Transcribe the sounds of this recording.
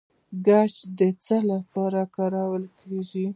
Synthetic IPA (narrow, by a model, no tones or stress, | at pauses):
ɡad͡ʒd̪ət͡səlapɑɾakɑɾawəlkʰeʒi